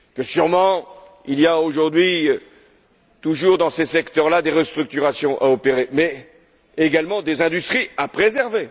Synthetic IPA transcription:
kəsyʁmɑ̃ | ilijaoʒuʁd̪ɥi | t̪uʒuʁd̪ɑ̃sesɛkt̪œʁlad̪eʁəst̪χyk̚t̪yʁasjɔ̃ʔaɔpeʁemɛː | ɡalmɑ̃d̪ezɛ̃d̪yst̪χiapχezɛʁve

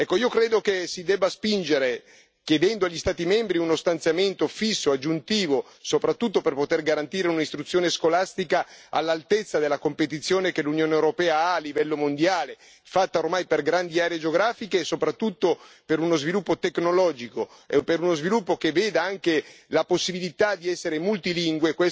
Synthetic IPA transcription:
ɛkːoiːokɾeːd̪okesid̪ɛbːaspind͡ʒeɾe | kjed̪ɛnd̪oaʎːist̪aːt̪imɛmbɾiunost̪ant̪sjament̪ofisːoad͡ʒːunt̪iːvo | sopɾat̪ːut̪ːoperpot̪erɡaɾant̪iːɾeunaist̪ɾut̪sːjoːneskolast̪ikaa̰lːalt̪et̪sːad̪elːakompet̪it̪sːjoːnekelunjoːneewɾopɛːaaːlːivɛlːomond̪jaːle | fat̪ːaormajperɡɾand̪iaːɾeed͡ʒeoɡɾaːfikeːsopɾat̪ːut̪ːo | peɾunozvilupːot̪eknolɔːd͡ʒiko | ḛpeɾunozvilupːokeveːd̪aaŋkelaposːibilit̪ad̪iɛsːeɾemult̪iliŋɡwekwe

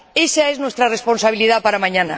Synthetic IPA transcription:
esaeznwest̪ɾaresponsaβ̞iliðapaɾamãɲanɐ

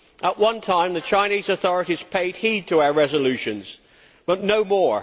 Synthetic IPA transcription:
ʔəʔwʌ̃ntʰãɪ̃mðɨt͡ʃʰãɪ̃nizɨθɔɹɨɾiz̥pʰeɪd̚hid̚tʰəaʊə˞ɹɛzəlʉʃɨ̃nz̥ | b̥ʌtⁿnoʊmɔɹ

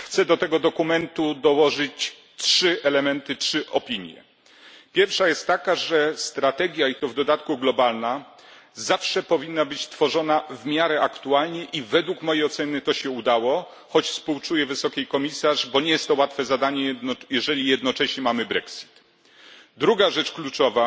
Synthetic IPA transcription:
xt̪sɛd̪ɔt̪ɛɡɔd̪ɔkumɛnt̪ud̪ɔwɔʐɘt͡ɕ | tʂɘʔɛlɛmɛnt̪ɘtʂɘʔɔpʲiɲjɛ̰ | pʲjɛɾfʂajɛst̪ːakaʐɛst̪ɾat̪ɛɡʲjait̪ɔvd̪ɔd̪at̪kuɡlɔbalna | zafʂɛpɔvʲinːabɘt͡ɕt̪fɔʐɔnavmʲjaɾɛʔakt̪ualɲɛʔivɛd̪wukmɔjejɔt̪sɛnɘt̪ɔɕɛud̪awɔ | xɔt͡ɕfspuwt͡ʂujɛvɘsɔkʲekɔmʲisaʐbɔɲɛjɛst̪ːɔwat̪fɛzad̪aɲɛjɛʐɛlʲijɛd̪nɔt͡ʂɛɕɲɛmamɘbɾɛksʲi̥t̪ | d̪ɾuɡaʐɛt͡ʂklut͡ʂɔva

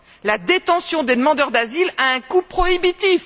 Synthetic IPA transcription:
lad̪et̪ɑ̃sjɔ̃d̪ed̪əmɑ̃d̪œʁd̪azilaɛ̃kupχɔibit̪if

